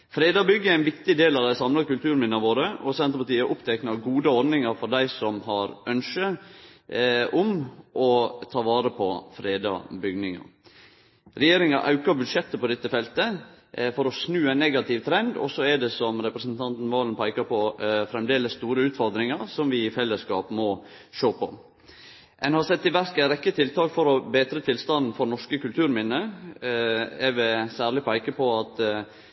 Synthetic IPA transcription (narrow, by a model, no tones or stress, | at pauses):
fɾeːd̪ɑbʏɡːəææɪnʋɪkt̪ɪd̪eːlɑʋd̪æɪsɑmlɑkʉlt̪ʰʉːɾnmɪnːɑʋoːɾəɔsɛnt̪ɾəpɑʈ̪iːəʔʊpt̪ʰɛknɑɡuːd̪əɔɾd̪nɪŋɑɾfɔɾɖ̪æɪsɔmhɑɾœnʃə | ʔʊmʔɔt̪ʰɑːʋɑːɾəpʰɔfɾeːd̪ɑ̰bʏɡnɪŋɑ̰ | ɾɛjeːɾɪŋɑʔɑ̰ʉkɑɾbʉd̪ʂɛt̪ːəpɔd̪ɛt̪ːəfɛlt̪ə | fɔɾɔsnʉːænːɛɡɑt̪ʰɪʋt̪ʰɾɛnd̪ɔ̰sɔɛɖɛsɔmɾɛpɾəsn̩t̪ʰɑnt̪n̩ʋoːlnpʰæɪkɑpʰɔfɾɛmd̪eːləst̪uːɾəʉːt̪fɔɾd̪ɾɪŋɑɾsɔmʋɪɪfɛlːəskɑːpmɔ | ʃoːpʰɔ̰ | ʔɛnhɑɾsɛt̪ːɪʋæɾkæɾɛkːət̪ʰɪlt̪ʰɑːkfɔɾɔbeːt̪ɾət̪ʰɪlst̪ɑnn̩fɔɾnɔʂkəkʉlt̪ʰʉːɾmɪnːə | ɛʋɛsæːɾɭɪpʰæɪkəpʰɔɑt̪